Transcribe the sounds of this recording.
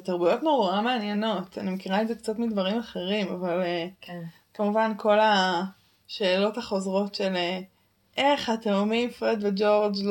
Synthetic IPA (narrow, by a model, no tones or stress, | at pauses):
etaʁbujo̞tnoʁameanjeno̞tanimekiʁaezekt͡satmidvaʁimaχe̞ʁimavale | kamuvanko̞la | ʃe̞ːlo̞taχo̞zʁo̞tʃele | ʔeχhateumifʁed̪ved͡ʒo̞ʁd͡ʒl